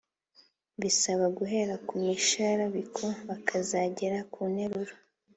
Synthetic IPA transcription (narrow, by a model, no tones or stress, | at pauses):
βisaβaɡuɦe̞ɾakumiʃaɾaβikʰo̞βakʰazaɟe̞ɾakʰuːneɾuɾo